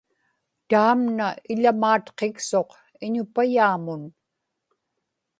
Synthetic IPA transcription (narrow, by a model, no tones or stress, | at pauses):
t̪aːmnaɪʎamaːt̪qekso̞q | ɪɲʊpajaːmʊn